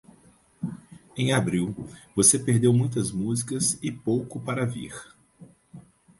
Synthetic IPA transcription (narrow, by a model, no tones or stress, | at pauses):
ẽj̃abɾiwvosepeɾd̪ewmũj̃t̪ɐzmuzikɐzɪpowkʊpaɾɐvḭɾ